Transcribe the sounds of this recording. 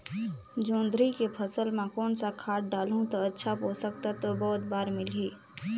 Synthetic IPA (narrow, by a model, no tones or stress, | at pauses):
d͡ʒõːnd̪ɾikepʰəsəlmẽkɔːnsakʰaːʈ̚ɖaːlũt̪oɐtːʃʰapoːsək̚t̪at̪obɔːt̪̚baːɾmɪlɦiː